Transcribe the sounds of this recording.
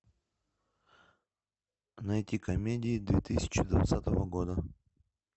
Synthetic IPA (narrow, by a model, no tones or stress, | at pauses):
nɐɛtʲikɐmʲedʲɪːd̪vʲet̪ɨsʲɪ̥t͡ɕɪd̪vɐ̰t̪sat̪əvəɡod̪ə